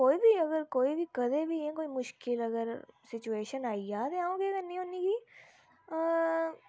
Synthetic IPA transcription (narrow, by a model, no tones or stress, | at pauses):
koːiːbʱiːəɡəɾkoːiːbiːkəd̪eːbiːẽːkoːiːmʊʃkɪləɡəɾsɪt͡ʃueːʃənaːiaːt̪eãːõːɡeəɡəɾnĩːɦõːniːɡiː